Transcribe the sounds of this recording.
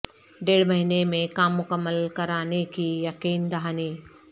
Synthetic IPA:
ɖeːɽmɐɦinemẽkaːmːʊkəmːəlkɐɾaːnekʰijɐkiːnd̪aɦaːniː

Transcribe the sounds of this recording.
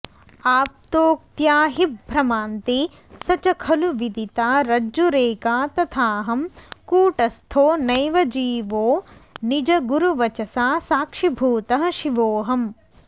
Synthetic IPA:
aːp̚t̪oːk̚t̪jaːɦibʱɾɐmaːnt̪e | sɐt͡ʃɐkʰɐluʋid̪it̪aːɾɐd͡ʒuɾeːkaːt̪ɐt̪ʰaːɦɐmkuːʈɐst̪ʰoːnɐjʋɐd͡ʒiːʋoːnid͡ʒɐɡuɾuʋɐt͡ʃɐsaːsaːkʂibʱuːt̪ɐɦɐ̆ʃiʋoːɦɐm

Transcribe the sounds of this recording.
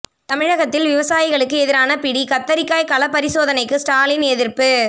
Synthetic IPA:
t̪ɐmɪɻɐɣɐt̪ːɪlʋɪʋɐsaːjɪɣɐɭɯkːɯɛðɪɾaːnɐpɪɽikɐt̪ːɐɾɪkːaːjkɐlɐpːɐɾɪsoːðɐnɐɪkːɯsʈaːlɪnɛðɪɾpɯ

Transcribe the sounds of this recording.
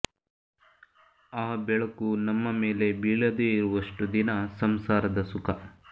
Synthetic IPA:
aːbɛɭɐkunɐmːɐme̞ːle̞biːɭɐd̪eːiɾuʋɐʂʈud̪inɐsɐmsaːɾɐd̪ɐsukʰɐ

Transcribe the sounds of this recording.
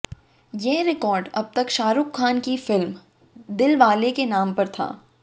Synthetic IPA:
jɛɦɾɪkɔːɾɖɐb̚t̪ɐkʃaːɾʊkʰːaːnkifɪlm | d̪ɪlʋaːlekenaːmpɐɾt̪ʰa̰ː

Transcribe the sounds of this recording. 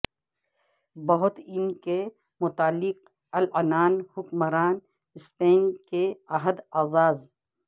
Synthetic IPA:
bɐɦʊt̪ɪnke | mʊt̪aːlːɪq̚ | ɐlɐnaːnhʊkmɐɾaːn | ɪspeːnkeɐɦəd̪aːzaːz

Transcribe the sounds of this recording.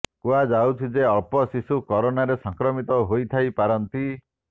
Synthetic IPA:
kuad͡ʒawt͡ʃʰid͡ʒeɔɭpɔsisukɔɾonaɾesɔŋkɾɔmit̪ɔɦojt̪ʰajpaɾɔnt̪i

